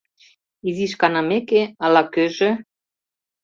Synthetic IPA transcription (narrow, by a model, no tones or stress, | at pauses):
iziʃkɑnɑmekeɑlɑkøʒĕ